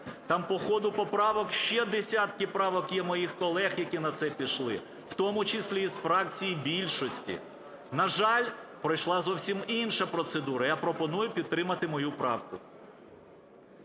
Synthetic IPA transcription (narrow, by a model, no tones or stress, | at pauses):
t̪ɑmpɔxɔd̪ʊpɔpɾɑʋɔkʃt͡ʃɛd̪esʲat̪kɪpɾɑʋɔkjɛmɔjixkɔlˠɛxjɐkʲinɐt̪sɛpʲiʃlˠɪ̰ | w̥t̪ɔmʊt͡ʃɪsʲlʲiːzfɾɑk̚t͡sʲijibʲilʲʃɔsʲtʲḭ | nɐʒɑlʲpɾɔjʃlˠɑzɔwsʲiminʃɐpɾɔt̪sed̪uɾɐjapɾɔpɔnujʊpʲid̪̚t̪ɾɪmɐt̪ɪmɔjupɾɑ̰wkʊ